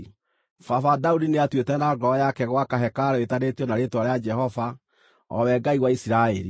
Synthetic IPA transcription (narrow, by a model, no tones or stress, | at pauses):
fafadaudineatwetɛnaɡɔjakɛɣwakaɦɛkaɾeetanetijɔnaɾetwaɾead͡ʒɛhɔva | ɔ̰wɛɡaiɣwaisiɾaɛɾḭ